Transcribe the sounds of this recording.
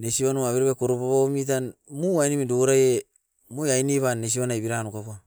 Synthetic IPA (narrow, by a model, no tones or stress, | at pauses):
nesiβanuaβeɾoβekoɾopaβamit̬anmuajnimidoɾaje | mojajniβanːes̬iβanajbiɾanukapua